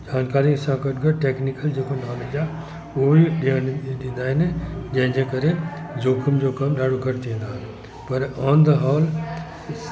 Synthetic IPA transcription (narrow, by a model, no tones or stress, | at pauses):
d͡ʑaːnkaːɾĩsãːkəʈɡəɾʈeːknikəld͡ʑeːkonaːmed͡ʑa | uiɗinɗĩːnd̪aːɦɪnd͡ʑɐ̃ɦɪ̃ɲd͡ʑekɐɾe | d͡ʑoːkʰʊmd͡ʑoːkɐmɗaːɽokɐɾt̪iẽːnd̪aːɦn | pɐɾɔːnd̪əɦɔːl